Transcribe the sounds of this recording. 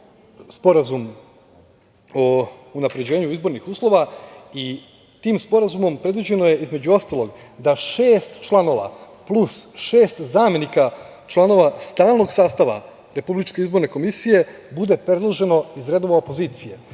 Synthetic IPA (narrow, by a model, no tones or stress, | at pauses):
spo̞ɾazum | ounapɾed͡ʑe̞ːɲuizbo̞ɾnixuːslˠo̞ʋai | t̪iːmspo̞ɾazumo̞mpɾe̞d̪ʋid͡ʑe̞noje̞ʔizme̞d͡ʑuo̞st̪alˠo̞ɡ | d̪aʃeːst̪t͡ʃlˠano̞ʋa̰ | plusʃe̞ːst̪zaːmje̞nika | t͡ʃlˠano̞ʋast̪aːlˠno̞ɡsaːst̪aʋa̰ | ɾe̞publit͡ʃke̞izbo̞ɾne̞ko̞misije̞ | bud̪e̞pɾe̞d̪lˠoʒe̞no̞izɾe̞d̪o̞ʋaopo̞ziːt̪sije̞̰